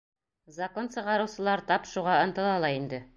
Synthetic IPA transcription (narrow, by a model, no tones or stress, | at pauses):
zɐko̞nsɤ̆ʁɑɾɤ̆wsɤ̆lˠɑɾt̪ɑpʃuʁɑɤ̆nt̪ɤ̆lˠɑlˠɑind̪ɘ